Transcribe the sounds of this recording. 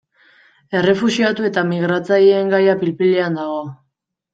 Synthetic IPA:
e̞re̞fusiat̪ue̞t̪amiɣɾat͡sajeːŋɡajapilpileand̪aɣ̞o̞

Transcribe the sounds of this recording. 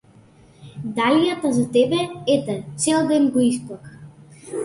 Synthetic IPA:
d̪alijat̪azat̪ɛbɛɛt̪ɛt̪sɛlˠd̪ɛnɡɔisplˠak

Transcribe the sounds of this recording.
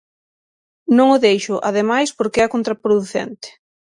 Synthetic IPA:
nõŋʊðejʃʊʔaðemajspoɾkɪɛɐkont̪ɾapɾoðuθɛ̰nt̪ɪ̥

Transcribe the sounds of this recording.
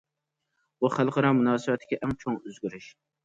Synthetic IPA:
uχælˠqɑɾɑmunɑːsɨwɛt̪ʰːɪ̥ɡʲɛʔɛŋt͡ʃʰoŋøzɡʲyɾyʃ

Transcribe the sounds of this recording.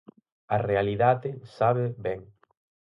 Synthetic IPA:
ɐrealiðaðɪsaβeβɛŋ

